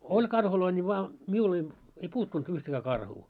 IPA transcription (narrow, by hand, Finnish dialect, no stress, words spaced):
olʲ kɑrhuloi nʲi ʋɑː miul ei ei puːtːunt yhtækæː kɑrhuː